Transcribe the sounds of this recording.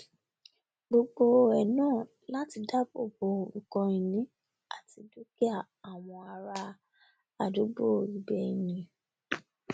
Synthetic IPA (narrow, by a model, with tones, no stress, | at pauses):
ɡ͡bo˧ɡ͡bo˧ɛ˨nãː˦˨ | la˦ti˧da˦bo̰˨bo˧˨kɔ̃˧i˨nĩ˦ | a˨ti˧du˦ki˦a˦˨ | a˨w̃ɔ̃˧a˨˧ɾa˧ | a˨du˨˦ɡ͡bo˦˨i˨bɛ˧i˨jĩ˧